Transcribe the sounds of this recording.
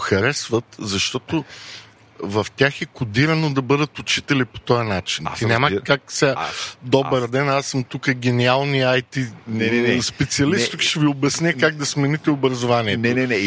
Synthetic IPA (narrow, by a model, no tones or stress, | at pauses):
xɐɾɛsvət̪zɐʃt̪ɔt̪o | vɐft̪ʲaxɛkʊd̪iɾɐnod̪ɐbɤd̪ət̪ʊt͡ʃit̪ɛlipo̥t̪ɔjɐnat͡ʃint̪inʲamɐkaksʲad̪ɔbəɾd̪ɛnasːəmt̪ukəɡ̟ʲɛnialˠniajt̪i | spɛt̪siɐlist̪ukʃɛviobɛsnʲɛkaɡ̚d̪ɐsmɛnit̪ɛobɾɐzʊvaniɛt̪ɛɛ